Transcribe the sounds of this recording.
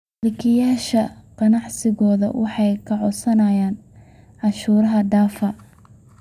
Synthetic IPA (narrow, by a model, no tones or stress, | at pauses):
lɪkʰɪjaːʃɐqɑnɑʕsɪɣɔːðɐ̰wʔɑħɑjkʰɐʕɔsɐnɐjaːn | ʔɑʃuːɾɐɦɐd̪aːfɐ